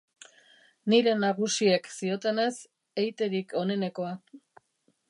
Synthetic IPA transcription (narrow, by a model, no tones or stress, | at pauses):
niɾe̞naɣ̞usieksio̞t̪e̞ne̞s | ejt̪e̞ɾikʰo̞ne̞ne̞ko̞a